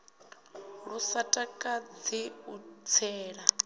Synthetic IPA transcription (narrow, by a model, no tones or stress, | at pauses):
ɺusatʼakʼad͡ziut͡sʰɛːɺa